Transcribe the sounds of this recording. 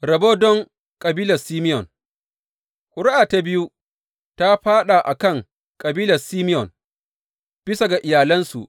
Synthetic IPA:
ɾɐ˨bo˦dɔ˦ŋ | kʼɐ˨biː˦lɐ˨siː˦mɪ˦jɔ˨n | hʷʊ˨ɽʊ˦ʔaː˨ta˨bɪ˦ju˦ | ta˦ɸaː˦ɗa˨ʔa˨kɐ˦˨ŋ | kʼɐ˨biː˦lɐ˨siː˦mɪ˦jɔ˨n | b̥ɪ˦sa˨ɡa˨ʔɪ˨jaː˨lɐ˦nsṵ˨ʔ

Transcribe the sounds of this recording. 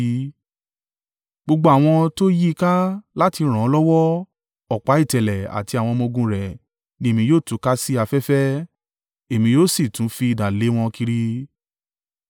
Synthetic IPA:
ɡ͡bo˧ɡ͡bo˧˦a˦˨w̃ɔ̃˧to˦ji˦i˧ka˦la˦ti˧ɾ̃ã˨ɔ˧lɔ˦wɔ˦ | ɔ˨k͡pa˨˦i˦˨tɛ˨lɛ˨a̰˨ti˧a˨w̃ɔ̃˧mõ˧ɡũ˧ɾɛ˨ | nĩ˧e˨mĩ˧joː˦˨tũ˨˦ka˦si˦a˧fɛ˦fɛ˦ | e˨mĩ˧joː˦˨si˦˨tũ˨˦fi˧i˨da˨le˨˦w̃ɔ̃˧ki˧ɾi˧

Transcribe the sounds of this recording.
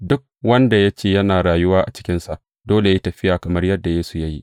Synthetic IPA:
dʊ˦k̚wɐ˦nda˨ja˦t͡ʃeː˦˨jɐ˦naː˨ɽaː˨jʊ˦waː˦ʔa˨t͡ʃɪ̥˦kʲɪ˦nsa˨ʔ | doː˦le˨jtɐ˨ɸɪ˦jaː˨kɐ˨mɐ˦rjɐ˦dːa˨jeː˦su˨ja˦ji˦

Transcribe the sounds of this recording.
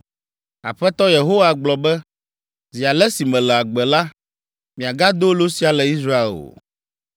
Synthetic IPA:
a̰˨ɸɛ˦t̪ɔ˦je˨ɦo˦wa˨ɡ͡blɔ˨bɛ˦ | zi˨a˨lɛ˦si˨mɛ̃˨lɛ˨a˨ɡ͡bɛ˨la˦ | mĩ˨a˨ɡa˦d̪o˦lo˦si˦a˨lɛ˨i˦sɾa˦ḛ˦˨o̰˨

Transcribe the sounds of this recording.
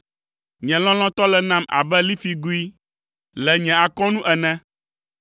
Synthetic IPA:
ɲɛ̃˨lɔ̃˦l̃ɔ̃˦t̪ɔ˦lɛ˨nã˦mʔa̰˨bɛ˦li˦fi˨ɡu˦i˦ | lɛ˨ɲɛ̃˨a˨kɔ̃˦nũ˦ʔɛ˨nɛ̃˦

